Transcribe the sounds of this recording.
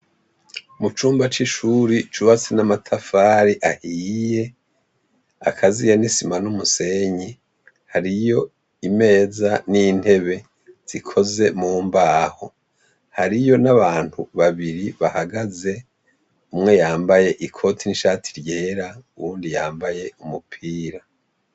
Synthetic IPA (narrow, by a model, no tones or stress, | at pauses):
umut͡ʃuːmbat͡ʃiʃuɾit͡ʃuβat͡senamatʰafaːɾiʔahije̞ | a̰kʰazijanisimanumuse̞ɲi | haɾijo̞ | ime̞ːzanin̥he̞βe̞ | z̥ikʰo̞ze̞muːmbaːho | haɾijo̞naβaːn̥huβaβiɾiβahaɡaze̞ | umŋe̞jaːmbaje̞ʔikʰo̞tʰiniʃaːtʰi̥ɾje̞ːɾauβuːndijaːmbaje̞umupʰiːɾa